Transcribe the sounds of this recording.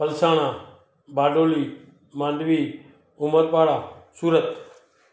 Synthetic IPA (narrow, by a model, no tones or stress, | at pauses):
pəlsaːɳ̃aː | baːɖoːliː | mãːnd̪ʋiː | ʊməɾpaːɽaːsuːɾət̪